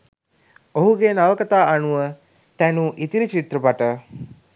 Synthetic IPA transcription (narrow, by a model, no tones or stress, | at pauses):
oɦuɡenaʋəkət̪aːʔanuʋə | t̪ænuʔit̪iɾit͡ʃit̪rəpaʈə